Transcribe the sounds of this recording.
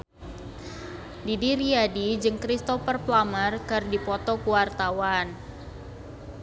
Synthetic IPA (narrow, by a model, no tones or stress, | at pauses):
didiɾiadid͡ʒɨŋkɾist̪ɔfərplamərkərdipɔt̪ɔkuwart̪awan